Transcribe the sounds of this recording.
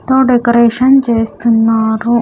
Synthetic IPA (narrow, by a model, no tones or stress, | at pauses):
t̪oːɖekɐɾeːʂɐnt͡ʃeːst̪unːaːɾu